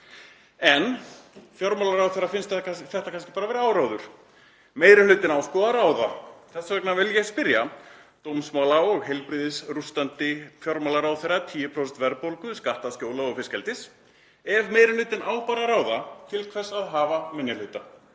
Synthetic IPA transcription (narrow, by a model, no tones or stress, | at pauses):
ɛnfjɔɾmalaɾaːwθeɾafɪnst̪θɛht̪akʰanscɪ̥paːɾavɛːɾɪaːwɾawðʏɾ̥ | meːjɾɪlʏɥt̪ɪnawskɔːðaɾaːwðaθɛsːavɛknavɪljɛspɪɾja | t̪owmsmaːwlawɔɣhejlpɾiːðɪsrust̪ant̪ɪfjɔɾmalaɾaːwθejɾat̪ʰiːjɪpʰɾɔsɛkt̪vɛɾpowlkʏskaht̪ascoːwlaɔɣfɪscɛlt̪ɪs | ɛvmeːjɾɪlʏɥt̪ɪnʔaːwpaːɾaɾaːwðat̪ʰɪlkʰvɛsaðɦaːvamɪnjalʏt̪a